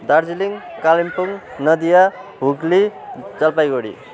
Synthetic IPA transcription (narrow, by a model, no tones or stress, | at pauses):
d̪ard͡ziliŋkalimpuŋnʌd̪ijaɦuɡlid͡zʌlpajɡoɽḭ